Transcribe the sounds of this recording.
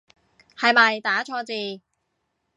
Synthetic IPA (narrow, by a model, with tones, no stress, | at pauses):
hɐ˨˧jmɐ˨˩jt̪aː˨˥t͡ʃʰɔː˧t͡siː˨˧